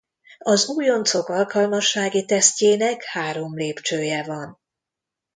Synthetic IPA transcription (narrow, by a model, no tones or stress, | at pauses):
ɒzuːjo̞nt̪so̞kɒlkɒlmɒʃːaːɡit̪ɛsceːnɛkhaːɾo̞mleːpt͡ʃøːjɛvɒn